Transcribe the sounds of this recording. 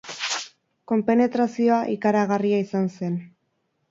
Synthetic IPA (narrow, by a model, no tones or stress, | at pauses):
ko̞mpe̞ne̞t̪ɾasio̞aʔikaɾaɣariaisanse̞n